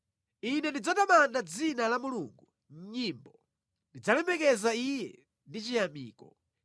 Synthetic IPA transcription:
inɛndid͡zatamandad͡zinalamuluːŋɡu | ɲ̩ɲimbɔ | ndid͡zalɛmɛkɛzaijɛ̰ | ndit͡ʃijamiːkɔ

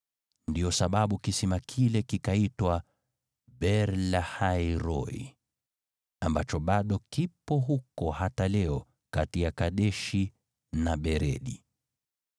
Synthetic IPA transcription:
ndiɔsaɓaɓukisɛmakʰilɛkikaitwa | ɓɛɾlahaiɾɔḭ | ambat͡ʃɔɓaɗɔkipɔɦukɔhatalɛɔ | katijakaɗɛʃi | naɓɛɾɛ̰ɗi

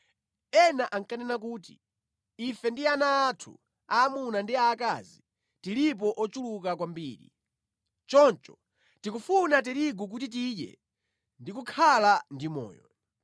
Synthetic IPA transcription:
ɛnaʔaŋkanɛnak̬uːtḭ | ifɛndianaːtʰṵ | aːmunandiaka̰zi | tilip̬ɔʔɔt͡ʃulukak̬wambḭːɾḭ | t͡ʃɔnt͡ʃɔ̥ | tikufunat̬ɛɾiɡuk̬utit̬iɗɛ̰ | ndikukʰalandimɔ̰ːjɔ̰

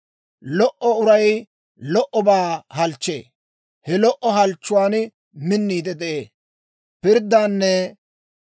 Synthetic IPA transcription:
lɔʔɔʊɾɐj | lɔʔɔbaːhɐlt͡ʃːḛː | hɛlɔʔːɔɦɐlt͡ʃːʊwaːn | mɪnːiːd̪ɛd̪ɛʔeː | pɪɾd̪ːaːnːɛ

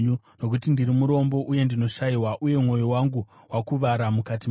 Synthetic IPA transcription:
u | no̞k̬utindiɾimuɾo̞mbo̞ʔuje̞ndino̞ʃaiwaʔuje̞mŋo̞jowaŋɡu | wakuʋaɾamukat̬i

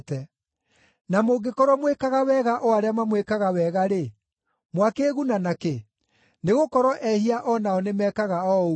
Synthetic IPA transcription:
tɛ | namoɡekɔɾɔmwekaɣawɛɣaʔɔaɾeamamwekaɣawɛɣaɾe | mwakeːɣunanake | neɣokɔɾɔʔɛhiaʔɔnaɔnemɛkaɣaɔ

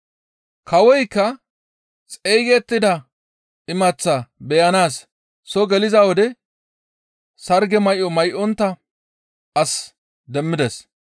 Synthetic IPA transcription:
kɐwɔjkːɐ | t͡sʼejɡɛt̪ːɪd̪ɐ | ɪmɐt͡sːɐbɛjɐnaːsː | ɔɡɛlɪzɐwɔd̪ɛ | sɐɾɡɛmɐjʔɔmɐjʔɔnt̪ːɐ | ɐs | d̪ɛmːɪd̪ɛs

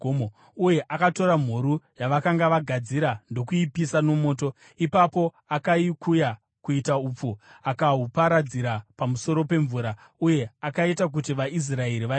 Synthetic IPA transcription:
uje̞ʔakato̞ɾam̤uɾujaʋakaŋɡaʋaɡʱad͡ziɾando̞kuipisano̞mo̞ːto̞ | ipapo̞ | akaikʰuja | kuitauːp͡fuakaɦupaɾad͡ziɾapamuso̞ɾo̞pe̞ɱvuːɾa | uje̞akaitak̬utiʋais̬rae̞ɾiʋa

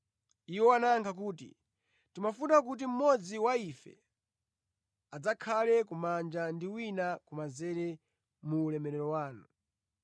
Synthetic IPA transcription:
iwɔanaŋkʰak̬uːtḭ | timafutakut̬im̩mɔd͡ziwaifɛ̰ | ad͡zakʰalɛkumand͡ʒandiwinakumazɛɾɛ | muːlɛmɛɾɛɾɔwaːnu

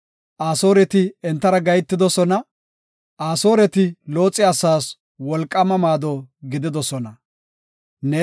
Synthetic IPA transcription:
ʔaːso̞ːɾɛt̪ɪɛnt̪ːɐɾɐɡɐjt̪ːɪd̪ɔsɔnɐ | ʔaːso̞ːɾɛt̪ɪlo̞ːt͡sʼːɪɐsaːs | wɔlkʼːɐmɐmaːd̪ɔɡɪd̪ɪd̪ɔsɔnɐ | nɛ

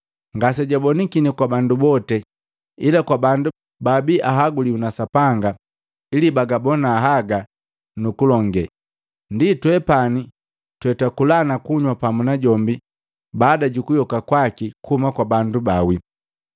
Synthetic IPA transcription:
ŋɡas̬ɛɟabɔnikinikwabandubɔtɛ | ilakwabandu | babiʔaɦaɡuliunasapaŋɡa | ilibaɡabɔnaːɦaɡa | nukulɔŋɡɛ | nditwɛpani | twɛtakulanakuɲwapamunaɟɔmbi | baːdaɟukujɔkakwakikuhumakwabandubawi

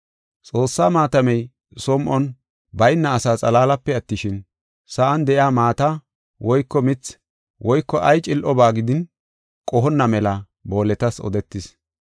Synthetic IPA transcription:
t͡sʼo̞ːsːaːmaːt̪ɐmɛj | sɔmʔɔn | bɐjnːɐːsaːt͡sʼɐlaːlɐpːɛɐt̪ːɪʃɪn | sɐʔɐnd̪ɛʔɪaːmaːt̪ɐ | wʔɔjkːɔmɪt͡s | wʔɔjkːɔʔɐjt͡ʃʼɪlʔɔbaːɡɪd̪ɪn | kʼɔɦɔnːɐmɛlɐ | bo̞ːlɛt̪ɐsɔ̰d̪ɛt̪ːɪs

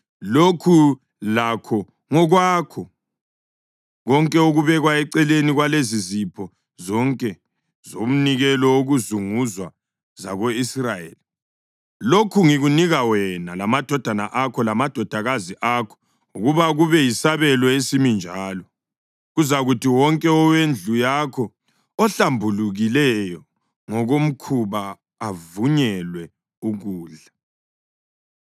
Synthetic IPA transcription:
lokʰu | lakʰɔ | ŋɔɣwakʰɔ | ɣɔŋkʼɛuɣuβɛɣwaɛǀɛleniɣwalezizipʰɔ | zɔŋkʼɛ | zom̩niɣɛlɔoɣuzuŋuzwa | za̰ɣoisrajḛːli | lokʰuŋiɣuniɣawɛnalamad̥ʱɔd̥ʱana̰ʔakʰɔlamad̥ʱɔd̥ʱaɣaziʔaːkʰɔ̥ | uɣuβaɣuβɛjisaβɛlɔesimind͡ʒʱaːlɔ | ɣuzaɣutʰiwɔŋkʼɛɔwend͡ɮʱujakʰɔ | ɔɬambʱuluɣilɛjɔ | ŋɔɣom̩kʰuβaː | vuɲɛlwɛ | uɣuːɮa

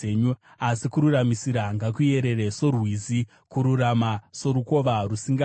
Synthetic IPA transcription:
ɲu | asikuɾuramisiɾaŋɡakuje̞ɾe̞re̞so̞rwizi | kuɾuramaso̞ɾuko̞ʋarusiŋɡa

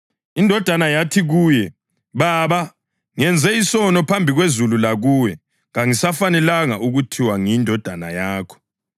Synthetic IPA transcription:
indʱɔd̥ʱanajatʰiɣuːjɛ | βaːβa | ŋɛnd͡zʱɛisɔnɔpʰambʱiɣwezululaɣuːwɛ | ŋaŋisafanɛlaŋaʔuɣutʰiwaŋindʱɔd̥ʱana̰jaːkʰɔ̥

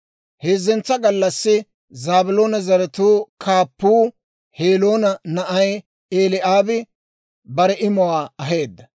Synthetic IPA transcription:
heːzːɛnt͡sːɐɡɐlːɐsːɪ | zaːbʊlo̞ːnɐzɐɾɛt̪uːkʰaːpːuː | heːlo̞ːnɐnɐʔɐj | eːlɪʔaːbɪ | bɐɾɛʔɪmɔwaːɐɦe̞ːd̪ːɐ

